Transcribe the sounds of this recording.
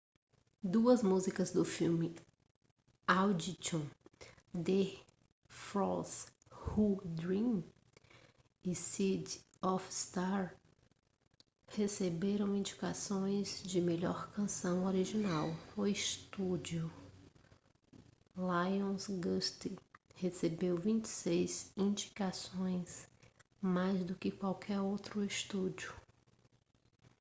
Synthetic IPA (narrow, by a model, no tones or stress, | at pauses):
d̪uɐzmuzikɐzd̪ʊfiwmɪ | awd͡ʒit͡ʃõ | d̪e | fɾɔs | hud̪ɾĩ | ɪsid̪ | ɔfst̪aɾ | hesebeɾɐ̃w̃ĩd͡ʒikasõj̃zd͡ʒɪmeʎɔɾkɐ̃sɐ̃w̃oɾiʒinawʊiʃt̪ud͡ʒjʊ | lajõsɡɐst̪ihesebewvĩt͡ʃɪ̥sejzĩd͡ʒi̥kasõj̃s | majzd̪ʊkɪkwawkʰɛɾowt̪ɾʊist̪ud͡ʒʊ